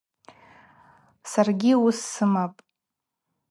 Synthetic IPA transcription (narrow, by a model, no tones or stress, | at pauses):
sarɡʲiusːɨmapʼ